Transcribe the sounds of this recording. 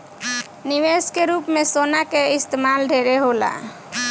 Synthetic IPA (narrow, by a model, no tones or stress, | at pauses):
niʋeskeɾupmesonakeɪst̪emalɖʱeɾeɦola̰